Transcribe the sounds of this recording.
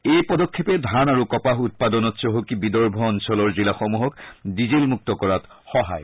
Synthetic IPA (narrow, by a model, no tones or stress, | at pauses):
ejpɔdɔkʰːepɛdʱanaɹukɔpaxut̚padɔnɔtsɔɦokibidɔɹbʱɔːnsɔlɔɹzilaxɔmuɦɔkdizelmuk̚tɔkɔɹat | xɔɦa̰j